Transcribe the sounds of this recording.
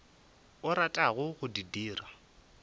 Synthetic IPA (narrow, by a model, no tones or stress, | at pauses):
ʊɾatʼaɣʊɣʊdidiːra